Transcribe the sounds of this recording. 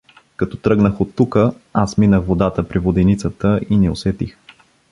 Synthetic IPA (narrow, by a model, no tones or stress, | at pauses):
kɐt̪ɔ̥t̪ɾɤɡnəxot̪ːukəasminəxvod̪at̪əpɾivod̪ɛnit̪sət̪əinio̰svɛt̪ḭx